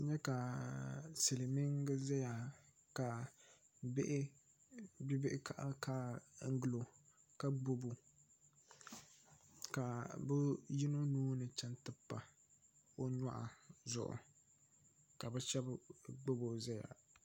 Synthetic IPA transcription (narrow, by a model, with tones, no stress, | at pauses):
ɲɛ˦ka˨ | sɪ˨lɪ˨mi˦ŋɡɨ˦zɛ˦ja˨ | ka˨ | bɪ˦ʔɪ˦ | bi˦bɪ˦ʔɪ˦kʰa˦ʔa̰˦lkaː˦ŋ̩˦ɡɨ˦lo˨ | ka˦ɡ͡bo˦bo˨ | ka˨bʊ˦ji˦no˦nuː˦nɨ˨t͡ʃɛ˦ntɨ˦pːa˨ | o˦ɲa˦ʔa̰˨zʊ̰˨ʔʊ̰˨ | ka˨bɛ˦ʃɛ˦bɡ͡bo˦bo˨zɛ˦ja̰˨